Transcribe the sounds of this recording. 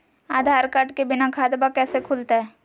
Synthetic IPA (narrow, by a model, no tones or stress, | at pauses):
aːd̪ʱaːɾkaʈkebɪnakʰaːd̪bakɛːsekʰʊːlt̪aɦɛː